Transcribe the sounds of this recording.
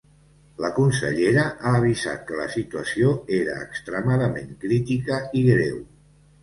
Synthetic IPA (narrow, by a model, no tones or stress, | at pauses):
ləkunsə̰ʎeɾəʔaːβ̞iza̰t̪̚kələ̰sit̪uəsioeɾə̰ːkst̪ɾəmaðəmeŋkɾit̪ikəiɣɾew